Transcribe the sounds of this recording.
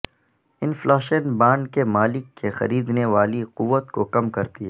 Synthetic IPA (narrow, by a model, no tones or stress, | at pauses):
ɪnflaːʃənbãːɳɖkemaːlɪkːexɐ̰ɾiːd̪neʋaːliqʊʋːət̪kokɐmkɐɾt̪iɦɛː